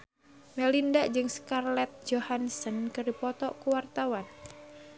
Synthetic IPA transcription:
mɛlindaʔd͡ʒɨŋskarlɛt̪̚d͡ʒohansənkɨrdipɔt̪ɔʔkuwart̪awan

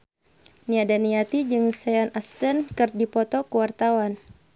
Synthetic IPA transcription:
niadaniat̪id͡ʒɨŋsɛanast̪ɛnkɨrdipɔt̪ɔkuwart̪awan

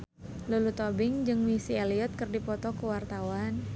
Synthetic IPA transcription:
lulut̪obɪŋd͡ʒɨŋmisialiɔt̪̚kɨrdipɔt̪ɔkəwart̪awan

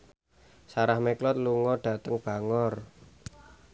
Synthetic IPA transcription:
saɾahmeklɔt̪̚luŋɔɖ̥ä̤t̪əŋb̥a̤ŋɔr

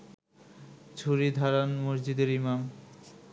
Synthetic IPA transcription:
t͡ɕʰuɾid̪ʱaɾanmoɾd͡ʑid̪eɾimam

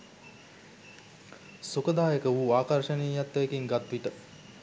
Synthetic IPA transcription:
sukəd̪aːjəkəʋuaːkarʃəneːjat̪ːəʋekiŋɡat̪ʋiʈə

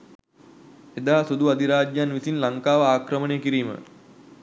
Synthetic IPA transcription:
ed̪aːasud̪uad̪iɾaːd͡ʒjanʋisinlaŋkaːʋəaːkɾəməneːkiɾiːmə̰

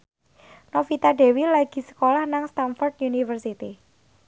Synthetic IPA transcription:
nofit̪aɖe̤wilaɡ̥i̤sə̥kolahnaŋst̪anfɔrt̪junifərsit̪i

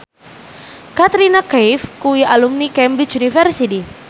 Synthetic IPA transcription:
kat̪ɾinakajfkuiʔalumnikɛmbɾit͡ʃunifɛrsidi

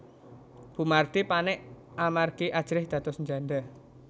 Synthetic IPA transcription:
b̥ṳmart̪ipanɛʔ | amarɡiʔad̥ʒ̥ɾɪhd̪̥ä̤t̪ɔsɲd͡ʒanɖ̪a

